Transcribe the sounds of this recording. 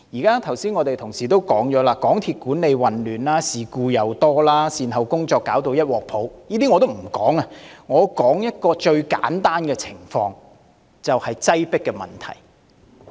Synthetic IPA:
jiː˨˩kaː˥t̪ʰɐ˨˩wsiː˥nŋɔː˨˧t̪e˨jt̪ʰʊ˨˩ŋsiː˨˩t̪o˥wkɔː˨˥ŋjɔː˨˥laː˧kɔː˨˥ŋt̪ʰiː˧t̚kuː˨˥nle˨˧jwɐ˨nlyː˨˩nlaː˥siː˨kuː˧jɐ˨˧wt̪ɔː˥laː˥siː˨˧nɦɐ˨wkʊ˥ŋt͡ʃɔː˧kːaː˨˥wt̪o˧wjɐ˥t̚wɔː˨k̚pʰo˨˥wjiː˥t̪i˥ŋɔ˨˧t̪o˥wm̩˨˩kɔː˨˥ŋɐ˧ŋɔː˨˧kɔː˨˥ŋjɐ˥t̚kɔː˧t͡ʃɵ˧ɥka̰ː˨˥nt̪aː˥nkɛː˧t͡sʰɪ˨˩ŋfɔ̰ː˧ŋ | t͡sɐ˨whɐ˨jt͡sɐ˥jpɪ˥kːɛ˧mɐ̰˨˩nt̪ʰɐ̰˨˩j

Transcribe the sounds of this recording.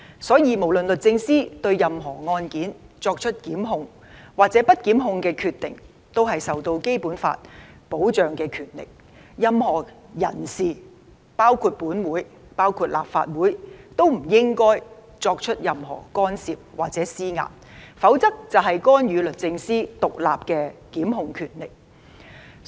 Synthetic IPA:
sɔː˨˥jiː˨˧mo˨˩wlɵ˨nlɵ˨t̚t͡sɪ˧ŋsiː˥t̪ɵ˧ɥjɐ˨mɦɔː˨˩ŋɔː˧nkiː˨˥nt͡sɔː˧k̚t͡ʃʰɵ˥t̚kiː˨˥mɦʊ˧ŋ | waː˨k̚t͡sɛː˨˥pɐ˥t̚kiː˨˥mɦʊ˧ŋkɛː˧kʰyː˧t̪ɪ̰˨ŋ | t̪o˥wɦɐ˨jsɐ˨wt̪o˧wke˥jpuː˨˥nfa̰ː˧t̚po˨˥wt͡ʃœː˨ŋkɛː˧kʰyː˨˩nlɪ̰˨˩k̚ | jɐ˨mhɔː˨˩ | jɐ˨˩nsiː˨˩ | paː˥wkʰuː˧t̚puː˨˥nwuː˨˥j | paː˥wkʰuː˧t̚la̰ː˨pfa̰ː˧t̚wuː˨˥jt̪o˥wm̩˨˩jɪ˥ŋkɔː˥j | t͡sɔː˧k̚t͡ʃʰɵ˥t̚jɐ˨mɦɔ̰ː˨˩kɔː˥nsiː˨p̚waː˨k̚t͡sɛː˨˥siː˥ŋa̰ː˨p̚ | fɐ˨˥wt͡sɐ˥k̚t͡sɐ˨wɦɐ˨jkɔː˥njyː˨˧lɵ˨t̚t͡sɪ˧ŋsiː˥t̪ʊ˨k̚la̰ː˨p̚kɛː˧kiː˨˥mɦʊ˧ŋkʰyː˨˩nlɪ˨k̚

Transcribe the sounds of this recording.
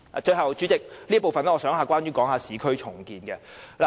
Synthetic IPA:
a̰˨t͡ʃɵ˧ɥhɐ˨wt͡ʃyː˨˥t͡sɪ˨k̚liː˥əpo˨wfɐ˨nlɛː˦˥ŋɔː˨˧sœː˨˥ŋɦaː˨˧kwaː˥njɥyː˥kɔː˨˥ŋhaː˨˧siː˨˧kʰɵ˥ɥt͡ʃʰʊ˨˩ŋkiː˨˧nkɛ˧la˨

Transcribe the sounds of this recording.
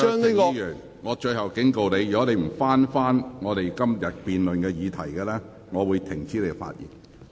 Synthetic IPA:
ŋne˥kɔ˧˥jœː˨˩ŋ | ŋɔː˨˧t͡ʃɵ˧ɥhɐ˨wkɪ˨˥ŋko˨wne˨˧jyː˨˩kɔ˨˥ne˨˧jm̩˨˩faː˥nfaː˥nŋɔː˨˧t̪e˨jkɐ˥mjɐ˨t̚piː˨nlɵ˨nkɛː˧jiː˨˧t̪ʰɐ˨˩jkɛ˧lɛː˥ | ŋɔː˨˧wuː˨˧jt̪ʰɪ˨˩ŋt͡sʰiː˥le˧ɡɛ˧fa̰ː˧t̚jḭː˨˩n

